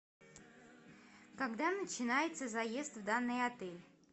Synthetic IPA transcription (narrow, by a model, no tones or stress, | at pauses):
kaɡd̪anət͡ɕɪnajɪt̪səzɐjezt̪vd̪anːɨjɐt̪ɛlʲ